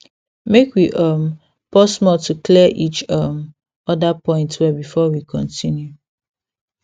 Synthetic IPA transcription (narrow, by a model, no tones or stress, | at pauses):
mekwiʔʌm | pɔsmɔltuklɛʔit͡ʃʌm | ɔdapɔ̃ɪ̃ntwɛbifɔwikʰɔ̃ntʰinju